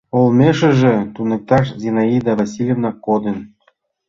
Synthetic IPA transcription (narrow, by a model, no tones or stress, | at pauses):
olmʲeʃɘ̆ʒĕt̪unɤ̆k̚t̪ɑʃzʲinaid̪ɑvasʲilʲevnɑkːod̪ə̆n